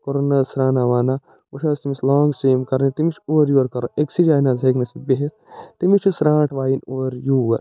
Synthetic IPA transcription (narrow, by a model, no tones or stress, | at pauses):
koɾonːɐsɾaːnaʋaːna | uʃʰaːst̪imislɔːŋɡsiːmkɐɾnit̪imit͡ʃʰuːʋɐɾjuɐɾkɐɾo̰ʔeksid͡ʒaːnazeknɐsibiɦes | t̪imit͡ʃʰisɾãːʈʰʋaːjinoʋɐɾjuːʋɐɾ